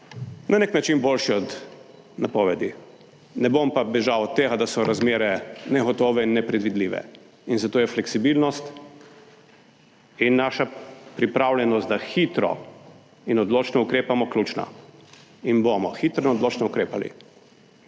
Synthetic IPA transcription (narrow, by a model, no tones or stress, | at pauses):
nʔaneknat͡ʃinboːlʃiɔd̪ | napɔːʋɛd̪i | nɛbompabɛʒawɔt̪ːeːɣad̪asɔɾazmeːɾɛnɛɣɔt̪oːʋɛinːɛpɾɛd̪ʋid̪liːʋɛ̰ | inzat̪oːjɛflɛksibilnɔst̪ | inːaʃapɾipɾaːwlʲjɛnɔst̪d̪axit̪ɾɔ̰ | inɔd̪loːt͡ʃnɔukɾeːpamɔklʲuːt͡ʃna̰ | inbomɔxit̪ɾɔinɔd̪loːt͡ʃnɔukɾeːpalḭ